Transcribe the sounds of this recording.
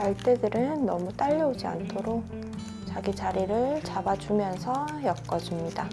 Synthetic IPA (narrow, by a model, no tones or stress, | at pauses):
aɭt͈e̞dɯɾɯnːʌmut͈aʎːʌod͡ʑia̰ntʰoɾok̚ | t͡ɕaɡit͡ɕaɾiɾɯɭt͡ɕabad͡ʑumjʌnsʰʌjʌk͈ʌd͡ʑimɲida